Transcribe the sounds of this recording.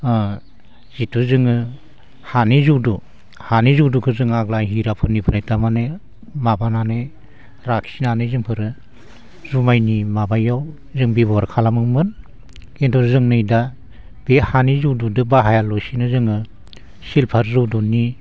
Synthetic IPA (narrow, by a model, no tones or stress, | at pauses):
z̥itʰuzɯŋɯ | hanizudu | hanizuwdukʰɯzɯŋaɡlajɦiɾapʰɯnːipʰɯnajtamane | mabanane | ɾaksinanɯjzɯŋpʰɯɾɯ | zumajnimabajaw | zɯŋbibɔɾkʰalamɯŋmɯn | entʰɔɾzɯŋnɯjda | b̥ehanizuwdudɯbaɦajalɔjsinɯzɯŋɯ | silpʰaɾzɯwdunːi